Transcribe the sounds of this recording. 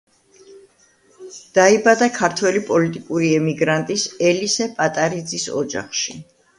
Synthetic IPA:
d̪̥aibad̪akʰaɾt̪ʰwɛlipʼɔlit̪ʼikʼuɾiɛmiɡɾant̪ʼisɛlisɛpʼat̪ʼaɾid̪zisɔ̰d͡ʒa̰χʃḭ

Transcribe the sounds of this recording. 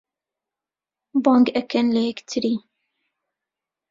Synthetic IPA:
bɑːŋɡɛkʰɛnlɛɛkt̪ʰɨɾiː

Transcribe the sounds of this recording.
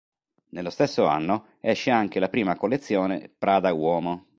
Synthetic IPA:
nelːost̪esːoa̰nːo | ɛʃːeaŋkelapɾiːmakolːet̪sːjoːnḛpɾaːd̪awɔːmo

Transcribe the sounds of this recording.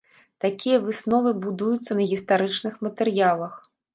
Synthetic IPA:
t̪akʲijɐvɨsnɔvɨbud̪ujut̪sːɐnɐɣʲist̪aɾɨt͡ʂnɨxmɐt̪ɛɾjalˠɐx

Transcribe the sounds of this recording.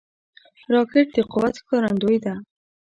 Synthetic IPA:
ɾɑkeʈ̚d̪eqʊwat̪kɑɾand̪ojd̪a

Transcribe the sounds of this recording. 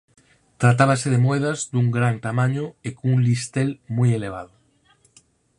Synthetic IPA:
t̪ɾat̪aβaseðemoeðazd̪uŋɡɾant̪amãɲʊekuŋlist̪elmujeleβ̞aðʊ

